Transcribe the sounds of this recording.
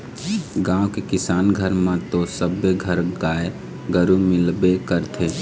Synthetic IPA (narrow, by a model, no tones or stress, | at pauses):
ɡãokekɪsaːnɡʱəɾmãt̪osəbːeɡʱəɾɡaːe | ɡəɾumɪlbekəɾt̪ʰe